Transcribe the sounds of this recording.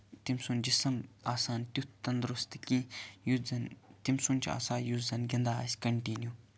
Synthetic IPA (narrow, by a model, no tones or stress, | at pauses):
t̪imsund͡ʒisɐmaːsaːnt̪ʲut̪ʰt̪ɐnd̪ɾust̪kĩjuzɐnt̪imsunt͡ʃʰia̰ːsaːjuzɐnɡʲɐnd̪aːa̰sʲkɐɳʈinju